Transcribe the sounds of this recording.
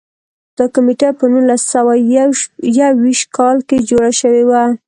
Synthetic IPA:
d̪̥əkʊmeʈapənunlasawa | jawiʃt̪̚kɑlked͡ʒoɽaʃəwewa

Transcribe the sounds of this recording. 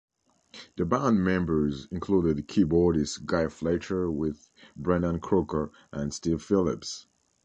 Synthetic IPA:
ðɨbãnmɛ̃mbə˞zɪ̃nkʰl̥uɾɨdkʰibɔɹɾɪsɡ̥aɪfleɪt͡ʃə˞wɪð | bɹɛ̃nə̃nkʰɹ̥okə˞ | ʔə̃nstiv̥fɪlˠɪps

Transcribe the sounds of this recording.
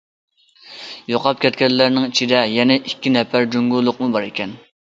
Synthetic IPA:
joqɑp̚kʲʰɛt̪̚kʲɛllːæɾnɪŋit͡ʃʰid̪ɛjɛnɛʔikʲːinɛpæɾd͡ʒyŋɡulˠːʊqmubɑɾekʲɛn

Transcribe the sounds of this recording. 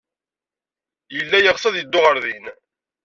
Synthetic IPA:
jəlːæjəʁsˤɑðjəd̪ːʊʁəɾðin

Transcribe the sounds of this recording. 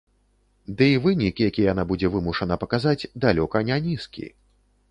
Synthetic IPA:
d̪ɨivɨnʲikʲijakʲijɛjanabud͡zʲɛvɨmuʂɐnɐpɐkazad͡zʲd̪alʲɔkɐnʲanʲiskʲḭ

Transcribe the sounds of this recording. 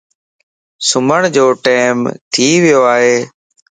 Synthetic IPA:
sʊməɳ̃d͡ʒoːʈeːmt̪ʰiːʋɪjoːaːɦeː

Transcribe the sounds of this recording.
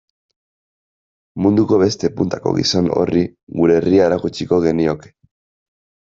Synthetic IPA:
mund̪uko̞βe̞st̪e̞punt̪ako̞̰ɣḭso̞no̞̰riɣuɾe̞riaeɾakut͡ʃiko̞ɣe̞nio̞ke̥

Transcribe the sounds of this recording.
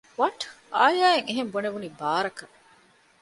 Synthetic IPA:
ʋɐʈ | aːjaːeŋeɦemboneʋunibaːɾɐkɐ

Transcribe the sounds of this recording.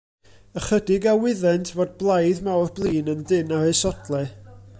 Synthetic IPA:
əχədɪɡawɪðɛntʰvoːd̚blˠajðmawrblˠiːnəndɪnaesɔdlˠɛ

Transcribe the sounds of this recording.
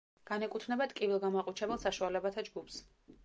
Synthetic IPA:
ɡ̥anɛkʼut̪ʰnɛbat̪kʼivilˠɡamaqʼut͡ʃʰɛbɛlˠsaʃualɛbat̪ʰad͡ʒɡups

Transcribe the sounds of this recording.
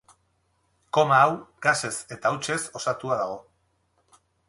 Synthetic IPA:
ko̞maːwɡase̞se̞t̪awt͡ʃe̞so̞sat̪uaðaɣ̞o̞

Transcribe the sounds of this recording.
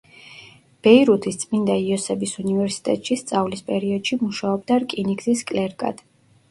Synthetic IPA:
b̥ɛiɾut̪ʰist̪sʼmind̪aiɔsɛbisunivɛɾsi̥t̪ʼɛt̪ʼʃist̪sʼavlispʼɛɾiɔd̪̥ʃimuʃaɔb̚d̪aɾkʼiniɡziskʼlɛɾkʼa̰d̪̥

